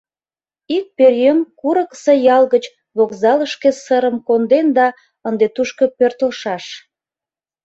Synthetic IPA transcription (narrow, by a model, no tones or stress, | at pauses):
ik̚perjømkuɾəksə̆jɑlɣət͡ɕ | βokzɑləʃkesəɾəmkond̪end̪ɑ | ənd̪et̪uʃkəpørt̪əlʃɑʃ